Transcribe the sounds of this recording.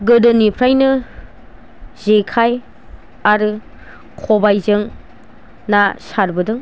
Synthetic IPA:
ɡɯdɯnipʰɾajnɯ | zekʰaj | aɾɯ | kʰɔbajzɯŋ | nasaɾbɯdɯŋ

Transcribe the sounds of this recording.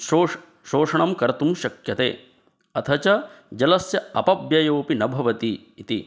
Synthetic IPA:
oː | ʃoːʂɐɳɐmkɐɾɐt̪umʃɐkjɐt̪ḛː | ɐt̪ʰɐt͡ʃɐ | d͡ʒɐlɐsjɐɐpɐbjɐjoːpinɐbʱɐʋɐt̪iː | t̪ḭ

